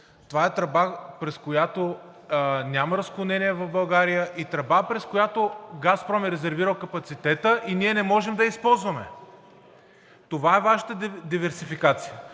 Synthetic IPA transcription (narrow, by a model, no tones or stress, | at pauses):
t̪ovaɛt̪ɾɐbapɾɛskojat̪o | nʲaməɾɐsklˠonɛniɛvɐfbɐlˠɡaɾijəʔit̪ɾɐbapɾɛskojat̪oɡaspɾɔmɛɾɛzɛɾviɾəlˠkɐpɐt̪sit̪ɛt̪əʔiniɛnɛmɔʒɛmd̪ɐispɔlˠzvɐmɛ | t̪ovaɛvaʃə̥t̪əd̪ivɛɾsifikat̪sijə